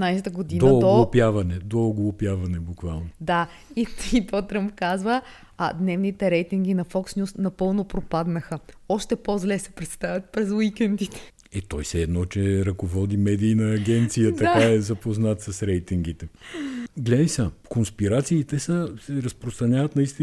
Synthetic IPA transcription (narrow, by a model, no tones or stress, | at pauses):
najsɛt̪əɡod̪inooɡ̪oɡlˠopjavɐnɛd̪ooɡlˠopjavɐnɛbukvalˠnod̪a | iit̪ɔt̪ɾəmpkazvə | d̪nɛvnit̪ɛɾɛjt̪iŋɡ̟inɐfɔksnʲusnɐpɤlˠnopɾopad̪nəxə | ɔʃt̪ɛpozlɛsɛ̥pɾɛt̪st̪avʲɐt̪̚pɾɛzwikɛnd̪it̪ɛ̥ | ɛt̪ɔjsɛːd̪nɔt͡ʃɛɾɐkovɔd̪imɛd̪iːnɐːɡʲɛnt̪sijət̪ɐkaɛzɐpoznat̪sɐsɾɛjt̪iŋɡ̟it̪ɛ | ɡlɛd̪isakonspiɾat̪siːt̪ɛsəsɛɾɐspɾost̪ɾɐnʲavət̪nɐist̪i